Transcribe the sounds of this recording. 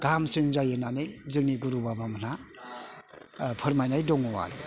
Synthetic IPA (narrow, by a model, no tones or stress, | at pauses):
ɡ̥amsɯnzajɯnanɯjzɯŋ̚niɡuɾubabaman̥a | pʰɯɾmajnajdɔŋɔwa̰ɾ